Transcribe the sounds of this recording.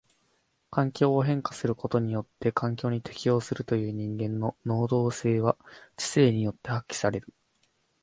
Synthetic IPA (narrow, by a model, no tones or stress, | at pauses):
kãŋkʲo̞ːoɦẽ̞ŋkḁsɨɾɯ̟ko̞t̪o̞ɲ̟ijo̞t̪ːe̞kʰãŋk̬ʲo̞ːɲ̟it̪ʰe̞kʲijo̞ːsɨɾɯ̟t̪o̞jɯ̟ːɲ̟ĩŋɡẽ̞nːo̞no̞ːd̪o̞ːse̞ːβat͡ɕi̥se̞ːɲ̟ijo̞t̪ːe̞hakʲːi̥saɾe̞ɾɯ̟